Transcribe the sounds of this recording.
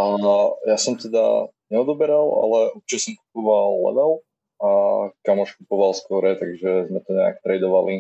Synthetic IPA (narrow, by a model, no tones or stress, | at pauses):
ajasɔmt̪ɛd̪a̰ | ɲɛɔd̪ɔbɛɾala̰lɛuɾt͡ʃit͡ʃɛsɔmkupɔʋalˠːɛ̰ʋɛl | akamɔʃkupɔʋalˠskʊɔɾɛt̪aɡʒɛzmɛt̪ɔɲɛa̰kt̪ɾɛjd̪ɔʋali